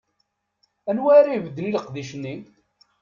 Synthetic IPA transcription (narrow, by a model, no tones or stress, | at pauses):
ænwæɾajvəd̪ːliləqðiʃənːi